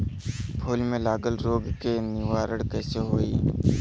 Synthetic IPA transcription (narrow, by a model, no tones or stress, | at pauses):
pʰoːlmẽːlaːɡəlɾoːɡkeːnɪʋaːɾəɽkɛːseɦoːiː